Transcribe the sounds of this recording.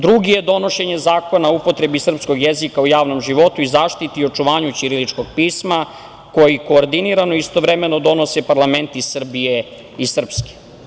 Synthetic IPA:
d̪ɾuɡije̞d̪o̞no̞ʃe̞ɲe̞zaːko̞naupo̞t̪ɾe̞bisr̩psko̞ɡjezikaujaːʋno̞mʒiʋo̞t̪uizaːʃt̪it̪io̞t͡ʃuʋaːɲut͡ʃiɾilit͡ʃkoɡ̚piːsma | ko̞jiko̞ːɾd̪iniɾanoist̪o̞ʋɾeme̞nod̪o̞no̞sepaɾlˠament̪isr̩bije | isr̩pske̥

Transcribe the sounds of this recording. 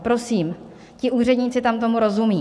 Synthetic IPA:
pɾo̞siːm | cɪʔuːr̝ɛd̪ɲiːt͡sɪt̪amt̪o̞muɾo̞zumiː

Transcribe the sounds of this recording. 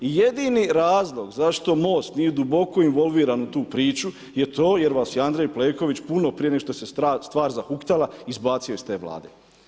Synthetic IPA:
ijed̪iniɾaːzlˠo̞ɡzaʃt̪o̞mo̞ːst̪nije̞d̪ubo̞ko̞inʋo̞lˠʋiːɾanut̪uːpɾiːt͡ʃu | jet̪o̞ːje̞ɾʋaːsjiand̪ɾejpleːko̞ʋit͡ɕpuno̞pɾijeeoʃt̪ose̞ast̪ʋaːɾzahukt̪alaizbaːt̪sio̞jst̪e̞ːʋla̰ːd̪ḛ

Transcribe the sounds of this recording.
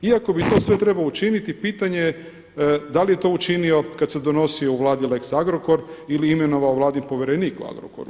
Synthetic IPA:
iako̞bit̪o̞ːsʋe̞t̪ɾe̞balout͡ʃinit̪ipiːt̪aɲee | d̪alijet̪o̞ːut͡ʃinio̞kad̪se̞d̪o̞no̞sio̞uʋlˠaːd̪ileksaɡɾoko̞ɾiliimeno̞ʋaoʋlˠaːd̪impo̞ʋʲjeɾeniːkṵa̰ɡɾo̰ko̰ɾṵ

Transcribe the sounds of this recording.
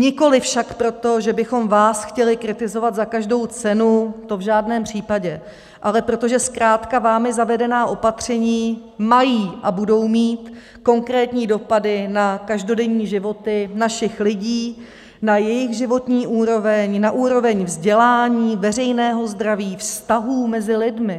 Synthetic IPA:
ɲɪko̞lɪfʃakpɾo̞t̪o̞ʒɛbɪxo̞mvaːsxcɛlɪkɾɪt̪ɪzo̞vat̪zakaʒdo̞wt͡sɛnut̪o̞vʒaːdnɛːmpr̝̥iːpaɟɛ | ʔalɛpɾo̞t̪o̞ʒɛskɾaːt̪kavaːmɪzavɛdɛnaːʔo̞pat̪r̝̥ɛɲiː | majiːʔabudo̞wmiːt̪ | ko̞ŋkɾɛːt̪ɲiːdo̞padɪnakaʒdo̞dɛɲiːʒɪvo̞t̪ɪnaʃɪxlɪɟiː | najɛjɪɣʒɪvo̞t̪ɲiːʔuːɾo̞vɛɲnaʔuːɾo̞vɛɲvzɟɛlaːɲiːvɛr̝ɛjnɛːɦo̞zd̪ɾaviːfst̪aɦuːmɛzɪlɪdmɪ

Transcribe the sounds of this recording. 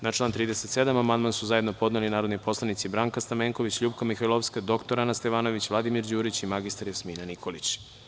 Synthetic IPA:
nat͡ʃlaːnt̪ɾiːd̪ese̞t̪se̞d̪amamand̪mansuzajed̪no̞po̞d̪nelinaːɾod̪nipo̞slˠanit̪sibɾaŋkast̪ameːŋkoʋit͡ɕʎuːbkamixailofskad̪o̞kt̪o̞ɾanast̪eʋaːno̞ʋit͡ɕʋlad̪imiɾd͡ʑuːɾit͡ɕimaɡist̪aɾjasmiːnanikʰo̞lit͡ɕ

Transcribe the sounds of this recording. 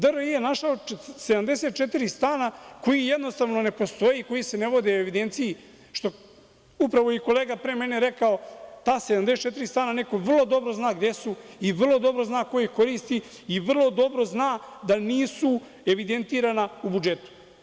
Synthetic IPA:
d̪əɾojijenaʃaose̞d̪amd̪e̞set̪̚t͡ʃe̞t̪iɾist̪aːnako̞jije̞d̪nost̪aʋno̞ne̞po̞st̪o̞jiko̞jise̞neʋo̞d̪eoeʋid̪e̞nt̪siji | ʃt̪o̞ | upɾaʋo̞iko̞leːɡapɾeme̞neɾe̞kao̞t̪aːsed̪amd̪eset̚t͡ʃe̞t̪iɾist̪aːnane̞ko̞ʋrlˠo̞d̪o̞bɾoznaːɡd̪e̞suiʋrlˠo̞d̪o̞bɾo̞znaːko̞jiko̞ɾiːst̪iː | ʋr̩lˠo̞d̪o̞bɾo̞znaːd̪aniːsu | e̞ʋid̪e̞nt̪iːɾanaubud͡ʒe̞t̪u̥

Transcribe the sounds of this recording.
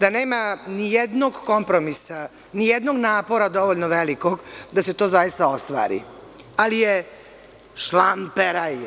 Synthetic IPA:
d̪aneːmanijed̪no̞ɡkompɾo̞misa | nijed̪no̞ɡnaːpo̞ɾad̪o̞ʋoʎnoʋelikoɡd̪ase̞t̪o̞ːzajist̪ao̞st̪ʋa̰ːɾḭ | alije | ʃlampeɾa

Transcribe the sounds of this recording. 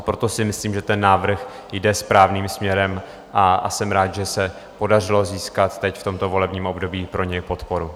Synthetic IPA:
pɾot̪o̞sɪmɪsliːmʒɛt̪ɛnːaːvr̩x | jdɛspɾaːvniːmsmɲɛɾɛm | ʔaa̰sɛmɾaːt̪ʒɛsɛ | po̞dar̝ɪlo̞ziːskat̪ːɛcft̪o̞mt̪o̞vo̞lɛbɲiːmʔo̞bdo̞biːpɾo̞ɲɛjpo̞t̪po̞ɾu

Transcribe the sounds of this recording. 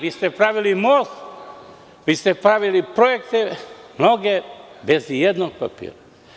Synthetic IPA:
ʋiːst̪epɾaʋilimos | ʋiːst̪epɾaʋilipɾojekt̪emno̞ɡebezijed̪noɡ̚pa̰pḭːɾa

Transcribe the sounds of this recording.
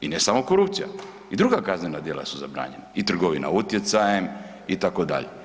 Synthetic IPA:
inesamokoɾupt̪sija̰ | id̪ɾuɡakaznenad̪je̞lˠa̰suzabɾa̰ːɲenait̪r̩ɡoʋina̰ut̪je̞t̪sajem | it̪akod̪a̰ʎe

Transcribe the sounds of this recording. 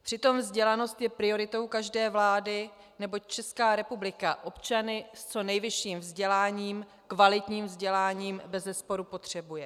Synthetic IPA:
pr̝̥ɪt̪o̞mvzɟɛlano̞st̪jɛpɾɪo̞ɾɪt̪o̞wkaʒdɛːvlaːdɪ | nɛbo̞c̚t͡ʃɛskaːɾɛpublɪkaʔo̞pt͡ʃanɪst͡so̞nɛjvɪʃiːmvzɟɛlaːɲiːm | kvalɪt̪ɲiːmvzɟɛlaːɲiːmbɛzɛspo̞ɾupo̞t̪r̝̥ɛbujɛ

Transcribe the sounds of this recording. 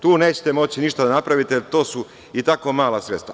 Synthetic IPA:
t̪uːne̞ːt͡ɕet̪emo̞t͡ɕiniʃt̪ad̪anapɾaʋit̪eelt̪o̞ːsu | it̪ako̞maːlˠasɾet̪st̪ʋa

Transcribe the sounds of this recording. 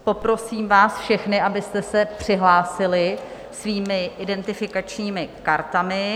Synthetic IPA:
po̞pɾo̞siːmvaːsfʃɛxnɪʔabɪst̪ɛsɛpr̥ɪɦlaːsɪlɪ | sviːmɪʔɪdɛnt̪ɪfɪkat͡ʃɲiːmɪkaɾt̪amɪ

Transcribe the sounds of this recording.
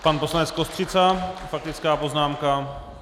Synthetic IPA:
panposlanɛt͡skost̪r̥ɪt͡safak̚t̪ɪt͡skaːpoznaːmka

